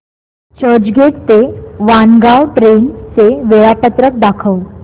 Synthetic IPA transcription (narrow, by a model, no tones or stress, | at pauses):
t͡ɕəd͡ʑɡeʈ̚t̪eʋanɡawʈɾent͡seʋeɭapət̪ɾək̚d̪akʰəw